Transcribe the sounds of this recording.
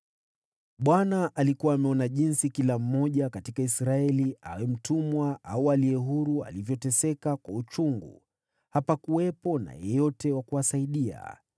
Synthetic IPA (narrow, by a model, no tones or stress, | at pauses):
ɓwanaʔalikuwaːmɛɔnaʄinsikilam̩mɔʄakatikaisɾaɛlia̰wɛm̩tumwaʔaualiɛɦuɾua̰livjɔtɛsɛkakwaut͡ʃuŋɡṵ | hapakuwɛpɔna̰jɔɛjɔtɛwakuasaiɗia̰